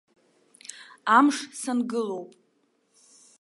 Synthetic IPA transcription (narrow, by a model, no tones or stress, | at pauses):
amʂsanɡɨlo̞wpʼ